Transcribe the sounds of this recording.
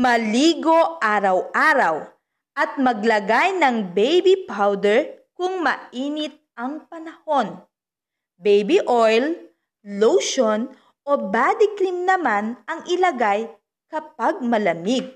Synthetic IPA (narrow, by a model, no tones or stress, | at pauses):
mɐliːɡo̞ʔaːɾɐwʔaːɾɐw | ʔɐt̪̚mɐɡlɐɡajnɐŋbɛjbipawd̪ɛɹkʊŋmɐʔiːnɪt̪̚ɐŋpɐnɐho̞n | bɛjbiʔojlː | owʃon | ʔobaːd̪ɪkɾimnɐmanɐŋʔɪlɐɡaj | kɐpaɡ̚mɐlɐmiɡ̚